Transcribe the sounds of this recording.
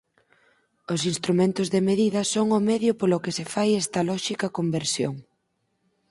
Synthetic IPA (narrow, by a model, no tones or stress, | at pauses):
ʊsinst̪ɾumẽnt̪ʊzðemeðiðɐsoŋʊmɛðjʊpolʊkɪsefajɛst̪ɐlɔʃikɐkombeɾsjo̰ŋ